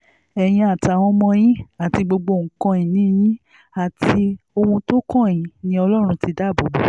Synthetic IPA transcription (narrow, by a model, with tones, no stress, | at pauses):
ɛ˨j̃ĩ˧a˨ta˨w̃ɔ̃˧mɔ̃˧j̃ĩ˦a˨ti˧ɡ͡bo˧ɡ͡bo˧˨ŋ̩˨kã˧ĩ˨nĩ˦jĩ˦ | a˨ti˧o˧wũ˧to˦kɔ̃˦˨jĩ˨˧˦nĩ˧˦ɔ˧lɔ˦ɾ̃ũ˧ti˧da˦˨bo˨ɡ͡bo˨